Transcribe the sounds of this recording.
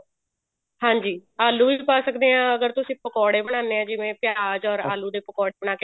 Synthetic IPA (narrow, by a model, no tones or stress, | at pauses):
hãːɲd͡ʒiːaːluːipaːsəkd̪eːɦãːəɡəɾt̪ʊsĩːpəkɔːɽeːbəɽ̃ãːnd̪eːãːd͡ʒɪʋẽːpɪjaaːd͡ʒɔːɾa̰ːluːd̪eːpəkɔːɽeːbəɽaːke